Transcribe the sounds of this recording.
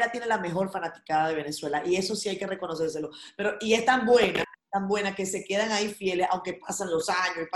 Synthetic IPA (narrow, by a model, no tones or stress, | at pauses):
lat̪je̞ne̞lame̞xo̞ɾfanat̪i̥kaðaðe̞β̞e̞ne̞swe̞laʔie̞so̞siajke̞re̞ko̞no̞s̬e̞ɾs̬e̞lo̞pe̞ɾo̞ʔie̞st̪ambwe̞nat̪ambwe̞nake̞se̞ke̞ð̞aŋaifje̞le̞sa̰wŋke̞pasanlo̞saɲosi